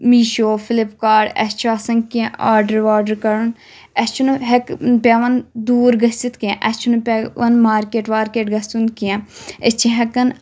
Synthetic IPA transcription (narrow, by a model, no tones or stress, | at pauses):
miːʃoːfʰɪlɪpkaːɖɛ̰st͡ʃʰuɐsɐ̃ŋkiãaːɾɖəɾʋaːɾɖəɾkɐɾun | ɛst͡ʃʰunɦɛkpʲaːʋɐnd̪uːɾɡɐst͡ʃit̪kiãʔɐst͡ʃʰunupːʋɐnmaːɾkeːʈʋaːɾkeːʈɡɐst̪unkijãet͡ʃʰĩɦɐkɐn